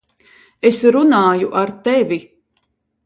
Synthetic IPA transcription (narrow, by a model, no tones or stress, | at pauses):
esɾunaːjuʔaɾt̪ɛvʲi